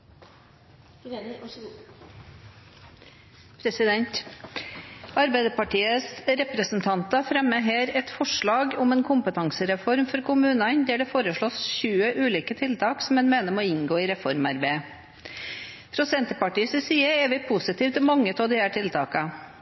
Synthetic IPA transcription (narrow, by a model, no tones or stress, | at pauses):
pʰɾsɪd̪ɛnt̪ | ɑɾbæɪd̪əpɑʈiːəsɾɛpɾəsn̩t̪ʰɑnt̪ɑfɾɛmːəɦeːɾɛt̪fɔʂɭɑːɡʊmeːnkʰʊmpət̪ʰɑŋsəɾɛfɔɾmfɔɾkʰʊmʉːnɑnd̪æːɖɛfoːɾəʂɭɔːsçʉːəʔʉːliːkət̪ʰɪlt̪ʰɑːksɔmɛnmeːnəmoːɪŋɡoːɪːɾɛfɔɾmɑɾbeɪ | pʰɾʊsɛnt̪əpɑʈiːəsɪsiːəɛːʋɪpʰʊsɪt̪iːʋt̪ɪmɑŋːət̪ʰoːd̪ɪæːʈʰɪlt̪ʰɑːkɑ